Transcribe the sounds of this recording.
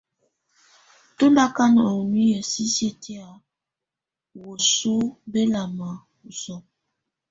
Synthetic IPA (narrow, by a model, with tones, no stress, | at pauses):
to˦nda˦ka˦n˨ə˨u˨ni˦jə˨si˦se˦tʰi˦a˨ | wo˨su˦be˦la˨ma˨ | u˨sɔ˦